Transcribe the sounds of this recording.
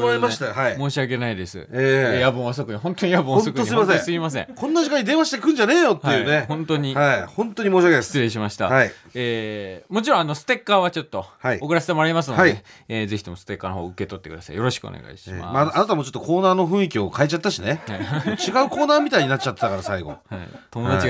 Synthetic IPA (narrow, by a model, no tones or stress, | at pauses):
imaɕet̪ahaimo̞ːɕiaɡe̞naid̪e̞sɨ̰eːejabõas̬okɯ̟ɲ̟ihõ̞nt̪oɲ̟ijabɯ̃õsotkɯosɨiimasẽsɨimas̬ẽkʰõ̞nːaʑikãɲːid̪e̞ːβaɕi̥t̪ekɯ̟̃ɲd͡ʑane̞ːjo̞t̪hejɯːnehõ̞nt̪oɲ̟ihaihõ̞nt̪oɲ̟imoːɕiakest͡sɨɾẽ̞ɕ̬imaɕi̥t̪a̰hai | eːmo̞t͡ɕiɾõano̞sɨ̥t̪e̞kːaβat͡ɕo̞t̪ːo̞haiokɯ̟ɾaset̪emo̞ɾaɾimas̬ɨnoaieeːze̞çi̥t̪o̞mo̞sɨ̥t̪e̞kːanoɦoːɯke̞t̪o̞t̪ːe̞kɯ̟d̪asa̰ḭjo̞ɾo̞ɕi̥kɯo̰nḛɡa̰iɕima̰maanat̪amot͡ɕo̞t̪ːoko̞ːnaːno̞ɸɯ̟̃ɰ̃ikʲio̞kaet͡ɕat̪ːaɕineat͡ɕiɡaɯ̟ko̞ːnaːmʲit̪aiɲinat͡ɕ̚t͡ɕat̪ːet̪akaɾasaiɡo̞̰at̪o̞mod̪at͡ɕi